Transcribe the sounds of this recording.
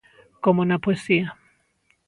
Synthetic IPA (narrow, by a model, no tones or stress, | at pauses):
komonapwesia